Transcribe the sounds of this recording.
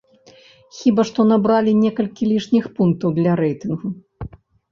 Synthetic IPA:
xʲibaʂt̪ɔnabɾalʲinʲɛkɐlʲkʲilʲiʂnʲixpunk̚t̪ɐwd̪lʲɐɾɛjt̪ɨnɣu

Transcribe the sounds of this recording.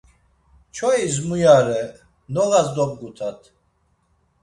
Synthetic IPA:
t͡ʃʰɔizmujaɾɛ | nɔɣazd̪ɔb̚ɡut̪ʰat̪ʰ

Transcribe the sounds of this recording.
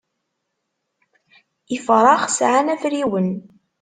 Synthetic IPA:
ifɾˤɑχsʕanæfɾiwən

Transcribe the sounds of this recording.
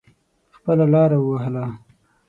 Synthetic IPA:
xpəlalɑɾawəwaɦla

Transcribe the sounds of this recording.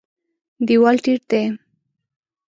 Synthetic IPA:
d̪iwalʈiɾt̪e

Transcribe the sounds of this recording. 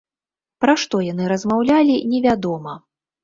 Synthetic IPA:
pɾaʂt̪ɔjan̪ɨɾɐzmawlʲalʲinʲɛvʲad̪ɔmɐ

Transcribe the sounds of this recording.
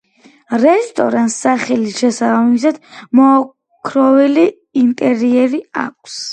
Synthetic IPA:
ɾɛst̪ʼɔ̰ɾant̪saχɛliʃɛsabamisad̪̥mɔː | kʰɾɔvɛliː | nt̪ʼɛɾiɛɾia̰k̚ʷʰs

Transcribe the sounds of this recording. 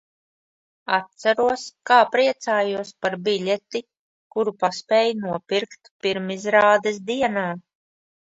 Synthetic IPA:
at̪̚sæɾuɔskaːpɾiɛt̪saːjuɔspaɾbilʲɛt̪i | kuɾupaspʲɛːjnuɔpiɾkt̪piɾmizɾaːd̪ɛs̬d̪iɛnaː

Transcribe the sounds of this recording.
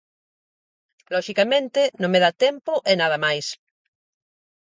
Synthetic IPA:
lɔʃikamẽnt̪enõŋmeðat̪empoʔenaðamajs

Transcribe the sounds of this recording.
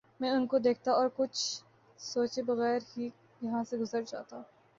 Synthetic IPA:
mɛ̃ːʊnkod̪eːk̚ʰt̪aɔːɾkʊt͡ʃʰ | soːt͡ʃebɐɣɛːɾɦiː | jɐɦãseɡʊzəɾd͡ʒa̰ːt̪aː

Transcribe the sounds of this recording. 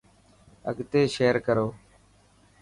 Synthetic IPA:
ə̰ɡt̪eːʃeːəɾkəɾoː

